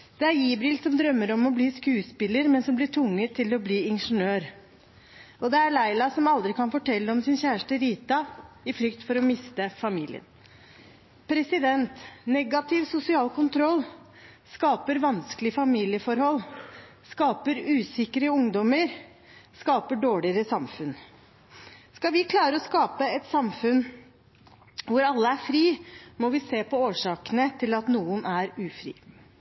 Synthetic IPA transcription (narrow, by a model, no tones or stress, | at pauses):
d̪̥ɛæɾiːbɾɪːlsɔmd̪ɾœmːəɾɔmɔbliːskʉːspɪləɾmɛnsɔmblɪʈʰʊŋːət̪ʰːɪlɔbliːɪnʂənøːɾ | ɔd̪ɛæɭæɪlɑsɔmɑld̪ɾɪkʰɑnfɔʈʰɛlːəɔmsɪnçæːʂʈəɾiːt̪ɑ | ɪflʏkt̪fɔɾɔmɪst̪əfɑmḭːlɪ̰ə̰n | pʰɾɛsɪd̪ɛnt̪nɛɡɑt̪ʰɪʋsʊsɪɑːlkʊnt̪ʰɾɔlː | skɑːpəɾʋɑnsklɪfɑmiːlɪəfɔɾhɔlː | skɑːpəɾʉːsɪkəɾəʊŋd̪ɔməɾ | skɑːpəɖoːɭɪəɾəsɑmfʉn | skɑʋɪkʰlɑːɾəɔskɑːpəɛt̪sɑmfʉn | ʋʊɾɑlːəæɾfɾiːmɔʋɪseːpɔoːʂɑːkənət̪ʰɪlɑt̪nuːənʔæɾʉːfɾḭː